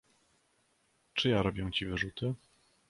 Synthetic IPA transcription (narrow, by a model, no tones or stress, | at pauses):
t͡ʂɘjaɾɔbʲjɛw̃t͡ɕivɘʐut̪ɘ